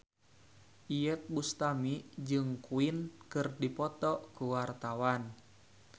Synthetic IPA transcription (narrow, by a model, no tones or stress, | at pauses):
ʔijɛt̪̚bust̪amid͡ʒɨŋkuinkɨrdipɔt̪ɔʔkuwart̪awan